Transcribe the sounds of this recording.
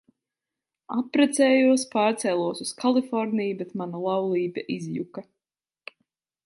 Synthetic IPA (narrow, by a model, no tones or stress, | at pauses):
apɾɛt̪sɛːjuɔspaːɾt̪sɛlˠuɔsuskʰalˠifɔɾnijbɛt̪manalˠawlˠiːbʲaʔizjṵka